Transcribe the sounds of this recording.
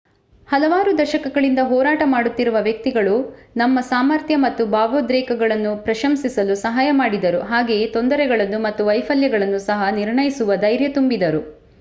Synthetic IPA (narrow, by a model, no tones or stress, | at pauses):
hɐlɐʋaːɾud̪ɐʃɐkɐɡɐɭind̪ɐɦɔːɾaːʈɐmaːɽut̪ːiɾuʋɐʋjɐk̚t̪iɡɐɭunɐmːɐsaːmɐɾt̪ʰjɐmɐt̪ːubaːʋoːd̪ɾɛːkɐɡɐɭɐnːupɾɐʃɐmsisɐlusɐɦaːjɐmaːɽid̪ɐɾuɦaːɡe̞t̪ond̪ɐɾɛɡɐɭɐnːumɐt̪ːuʋɐjpʰɐljɐɡɐɭɐnːusɐɦɐniɾɳɐjisuʋɐd̪ɐjɾjɐt̪umbid̪ɐɾu